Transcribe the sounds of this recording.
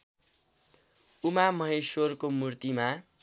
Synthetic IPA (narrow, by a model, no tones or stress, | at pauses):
umamʌɦesorkomurt̪ima